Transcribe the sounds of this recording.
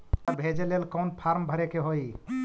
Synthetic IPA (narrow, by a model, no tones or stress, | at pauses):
bʱed͡ʒelelkɔwnpʰaɾmbʱəɾekeɦoj